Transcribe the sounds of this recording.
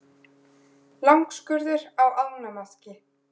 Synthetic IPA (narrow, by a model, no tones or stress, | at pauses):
lawŋkskʏɾðʏɾawaðmnamascɪ